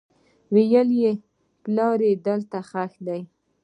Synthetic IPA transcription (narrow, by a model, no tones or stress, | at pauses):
wejəlje | plɑɾed̪əlt̪axaxd̪aj